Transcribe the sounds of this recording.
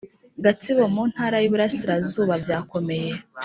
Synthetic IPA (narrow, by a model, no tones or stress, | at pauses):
ɡatiβo̞muːn̥haːɾajuβuɾasiɾazuːβabjaːko̞me̞je̞